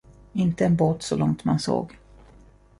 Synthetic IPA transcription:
ɪnt̪əɛnboːt̪sɔlɔŋt̪manso̰ːɡ

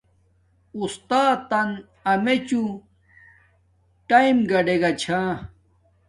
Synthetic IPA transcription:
ust̪aːt̪ɐn | ɐmet͡ɕu | ʈaimɡɐɖeɡɐt͡ɕʰãː

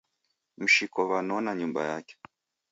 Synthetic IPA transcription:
m̩ʃikɔβanɔnaɲumba̰ja̰kɛ̥

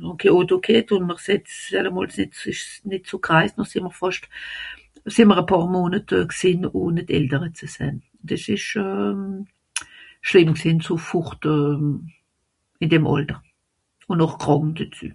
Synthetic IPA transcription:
nʊkʰeotokʰetʊnməʁsɛtsdɛləmɔːlsnɪtɪʃnɪtt͡sokʁaɪsnɔχsɪməʁfɑʃt | sɪnməʁəpʰɑːʁmoːnətːksɪnʊnɪtɛ̰ltəʁət͡səsɛ̰nʊndɛsɪʃɛː | ʃlɪmksɪːnt͡sofʊχtœ | ɪndɛmʔɑ̰ltəʁ | ʊnnɔχkʁɑŋdət͡sy̰ː

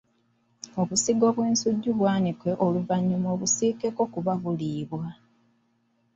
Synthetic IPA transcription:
o̞βusiɡo̞ːβweːnsuɟːuβwaːnikweʔoluvaɲːumoːβusiːkeko̞kuβaβuliːβwa

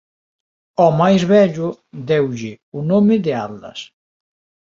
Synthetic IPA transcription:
ɔmajzβɛʎʊd̪ɛwʎɪ | unomeðeaɾlɐ̰s

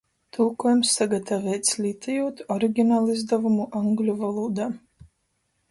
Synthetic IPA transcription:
t̪ʰulˠkuɔjumsːaɡat̪avɛːt̪sʲlʲit̪ʰʲɛjuɔt̪ɔɾiɡʲinaːlˠizd̪avumuʔaŋɡlʲuvalˠuːd̪aː

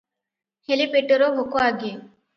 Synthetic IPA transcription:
helipeʈoɾoɦokoaɡe

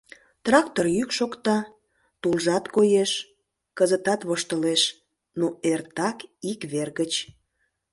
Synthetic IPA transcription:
t̪rɑkt̪orjykʃokt̪ɑ | t̪ulʒɑt̪kojeʃ | kəzət̪ɑt̪βoʃt̪əleʃ | noert̪ɑkikβerɣət͡ɕ

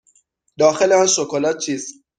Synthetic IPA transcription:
d̪ɒːxeleɔnʃokolɒːt͡ʃʰiːz

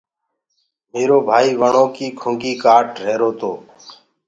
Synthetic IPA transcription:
meːɾoːbʱaːiːʋəɳoːkiːkʰʊ̃ŋɡiːkaːʈɾeːɾoːt̪ʰoː

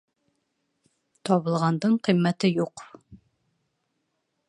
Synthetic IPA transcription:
t̪ɒβɤ̆lˠʁɑnd̪ɤɴqĭmːæt̪ɘjuq

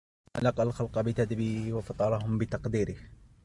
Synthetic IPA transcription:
ʔalɑqalxɑlqɑbɪt̪ad̪biːwɑfɑt̪ˤɑɾˤɑɦʊmbɪt̪ɑqd̪iːɾɪh

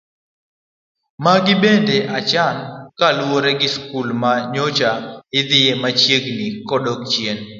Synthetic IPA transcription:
maɡɪbendeʔat͡ʃankalwoɾɛɡɪskulmaɲot͡ʃaɪd̪ɪjemat͡ʃjeɡnikɔdɔkt͡ʃjen

